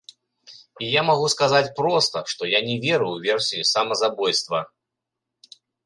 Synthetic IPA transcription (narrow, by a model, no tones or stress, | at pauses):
ijamaɣuskazat͡sʲpɾɔst̪ɐʂt̪ɔjanʲɛvʲɛɾɨwvʲɛrsʲiisamɐzabɔjst̪vɐ